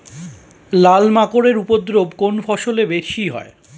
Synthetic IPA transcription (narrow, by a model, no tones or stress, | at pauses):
lalmakoɾeɾupod̪ɾobkonfʰɔʃolebeɾʃiɦɔ̰e